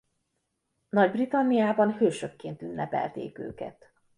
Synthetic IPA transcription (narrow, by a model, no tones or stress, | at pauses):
nɒɟbrit̪ɒnːijaːbɒnhøːʃøkːeːnt̪ynːʔɛpɛ̰lt̪ḛːkø̰ːkɛ̰t̪